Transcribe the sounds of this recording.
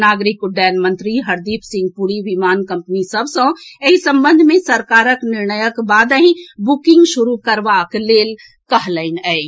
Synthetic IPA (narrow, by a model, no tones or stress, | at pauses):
naːɡɾɪkɖɛːnmə̃nt̪ɾiɦɐɾd̪iːpʰsɪ̃ŋɡ̚puɾiʋimaːnkɐ̃mpnisɐbsə̃eɦisɐ̃mbə̃nd̪ʱmẽsɐɾkaːɾəknɪɾnəjəkbaːd̪əɦĩbukɪ̃ŋɡʃʊɾukəɾʋakleːl | kɐɦləɪnɛ